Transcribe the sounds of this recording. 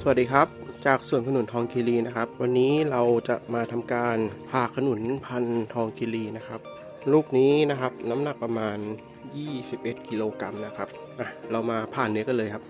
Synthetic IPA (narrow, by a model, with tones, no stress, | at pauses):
su˧˩˨diː˧˩kʰa˦˥p̚t͡ɕaː˨˩k̚su˨˩ənkʰa˧nu˨˩˦nt̪ʰɔː˧ŋkʰiː˧liː˧˩na˦˥kʰa˦˥p̚wa˧nːiː˦˥ɾa˧wt͡ɕa˨˩maː˧t̪ʰa˧mkaː˧npʰaː˨˩kʰːa˧nu˨˩˦npʰa˧nt̪ʰɔː˧ŋkʰi˧liː˧na˦˥kʰa˦˥p̚ | luː˥˩k̚niː˦˥na˦˥kʰa˦˥p̚na˦˥mna˨˩k̚pɾa˧maː˧n | jiː˥˩si˨˩p̚ʔe˨˩t̪̚ki˧loː˧ka˧mna˦˥kʰa˦˥p̚ | ʔa˨˧˩ɾa˧wmaː˧pʰaː˨˩nːi˦˥əkɔ˧˥˩lɤː˧jkʰa˦˥p̚